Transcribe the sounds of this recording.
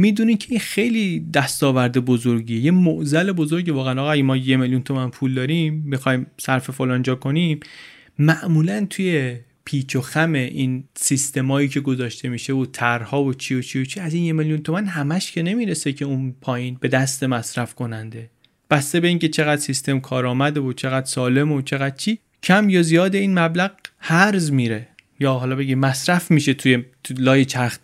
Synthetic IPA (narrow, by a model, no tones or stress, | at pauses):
miːd̪uːnimcʰe̞inxe̞jliːd̪æst̪ɒːvæɾd̪e̞bo̞zo̞ɾɟiːejemoʔzæle̞bo̞zo̞ɾɟevɒːɣeæːnɒːɣæɡemɒːjemeljunt̪ʰo̞mænpʰuːld̪ɒːɾimːixɒjmsæɾfe̞folɒːnd͡ʒɒːkʰo̞nim | mæʔmuːlænt̪ʰuje̞ | pʰiːt͡ʃʰoxæme̞ʔinsist̪e̞mɒːjiːcʰe̞ɡo̞zɒːʃt̪e̞miːʃe̞ot̪ʰæɾhɒːvot͡ʃʰiːjot͡ʃʰiːjot͡ʃʰiæziːnjemeljunt̪ʰo̞mænhæmæʃcʰe̞ne̞miːɾe̞se̞cʰe̞unpʰɒːjiːnbe̞d̪æst̪e̞mæsɾæfkʰo̞nænd̪e̞ | b̥æst̪e̞be̞iːncʰe̞t͡ʃʰe̞ɣæd̪sist̪e̞mkʰɒːɾɒːmæd̪eot͡ʃʰe̞ɣæd̪sɒːle̞mot͡ʃʰe̞ɣæd̪̥̚t͡ʃʰiː | cʰæmjɒːzijɒːd̪e̞iːnmæblæɣʁhæɾzmiːɾe̞ | jɒːɦɒːlɒbe̞ɡimmæsɾæfmiːʃe̞t̪ʰuje | lɒːjet͡ʃʰæxt̪